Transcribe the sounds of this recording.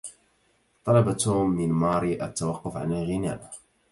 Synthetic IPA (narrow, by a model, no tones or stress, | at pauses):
t̪ˤɑlɑbat̪umːɪnmɑɾiʔa̰t̪ːawɑqːʊfʕa̰nalɣɪna̰ʔ